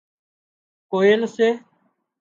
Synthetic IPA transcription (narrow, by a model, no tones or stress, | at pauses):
koːeːləseː